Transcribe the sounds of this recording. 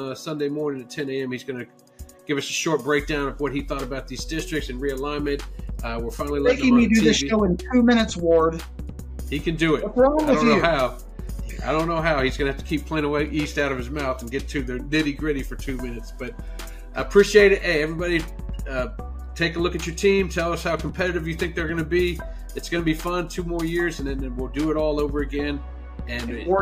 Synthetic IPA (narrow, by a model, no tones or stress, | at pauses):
sʌ̃ndeɪmɔɹnɪ̃ŋɨtʰɛ̃neɪɛ̃mhizɡʌnɨ | ɡ̥ɪvʌsɨʃɔɹt̚b̥ɹeɪk̚d̥ãʊ̃nʌvwʌt̚hiθɔɾɨbaʊt̪̚ðizdɪstɹ̥ɨk̚tsɨ̃nɹiɨlãɪ̃mɨ̃t̚ʌwə˞fãɪ̃nl̩ˠileɪkɪ̃ŋmidɨðɪsolˠɪ̃ntʰʉmɪ̃ñɨtswɔɹd̥ | hikʰɨ̃ndɨɪtəpʰɹ̥ɑblə̃mɨ̃ʊ̃jnoʊhaʊ | a̰ɪɾõʊ̃nːoʊɦaʊhizɡʌ̃nɨhæftə̥kʰipʰl̥ẽɪ̃ŋəweɪʔistaʊɾʌv̥ɨzmaʊθn̩ɡɛtʰʉðə˞lɪɾiɡɹɪɾifə˞tʰʉmɪ̃nɨtsb̥ʌt̚ | ʔə̰pʰɹ̥iʃieɪɾɨɾʔeɪɛvɹibɑɾi | ʌ | tʰeɪkəlʊkɨt͡ʃə˞tʰĩmtʰɛlˠʌshaʊkʰm̩pʰɛɾɨɾɨvjɨθɪ̃ŋk̚ðə˞ɡʌñɨbi | ɨtsɡ̥ʌnəbifʌ̃ntʰʉmɔɹjɪɹzɨ̃nðɨ̃nðɨ̃nwɪlˠdɨːɾɔlˠoʊvə˞ɨɡɛ̃n | ɨ̃n